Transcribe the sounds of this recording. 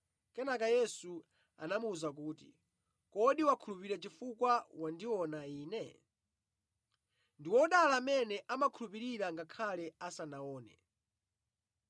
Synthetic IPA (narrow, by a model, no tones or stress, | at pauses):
kɛnakajɛsu | a̰namuuzak̬uːtḭ | kɔɗiwakʰulupiɾɛt͡ʃifukwawandiwɔnaiːnɛ | ndiwɔɗalaːmɛnɛʔamakʰulupiɾiɾaŋɡakʰalɛasanaɔːnɛ̰